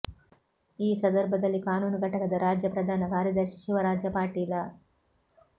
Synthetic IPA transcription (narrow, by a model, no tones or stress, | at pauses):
iːsɐnd̪ɐɾbʱɐd̪ɐlːikaːnuːnuɡʱɐʈɐkɐd̪ɐɾaːd͡ʒjɐpɾɐd̪ʱaːnɐkaːɾjɐd̪ɐɾʃiʃiʋɐɾaːd͡ʒjɐpaːɾʈiːlɐ